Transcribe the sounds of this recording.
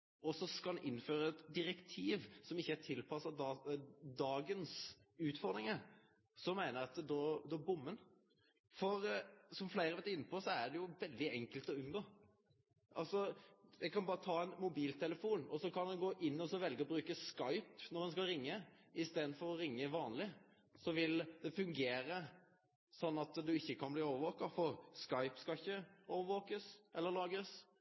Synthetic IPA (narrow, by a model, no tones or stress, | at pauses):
ɔsɔskɑnʔɪnːføːɾəɛt̪d̪ɪɾɛkt̪ʰiːʋsɔmɪçːəæʈʰɪlpʰɑsəɑd̪ɑːɡənsʉːt̪fɔɾd̪ɾɪŋəɾ | sɔmæɪnəɾɛɑt̪d̪ɔd̪ɔæbʊmːən | fɔɾsɔmflæɪɾəʋeːt̪əɪnːəpʰɔsɔæɖɛjʊʋɛld̪ɪɛŋkəlt̪ɔʉnɡoː | ʔɑ̰lsɔjɛɡkɑnbɑːɾət̪ʰɑːɛnmʊbiːlt̪ʰɛləfuːnɔsɔkʰɑnd̪ɛnɡoːʔɪnːɔsɔʋɛlɡəɔbɾʉːkəskɑɪpnɔɾɛnskɑlɾɪŋːəɪst̪eːd̪nfɔɾɔɾɪŋːəʋɑːnlɪ | sɔʋɪld̪ɛfʉŋɡeːɾə | sɔnːɑt̪d̪ʉɪçːəkʰɑnbliːoːʋəɾʋoːkɑfɔʁskɑɪpskɑɪçːəoːʋəʋoːkəsʔɛlːəɾlɑːɡəs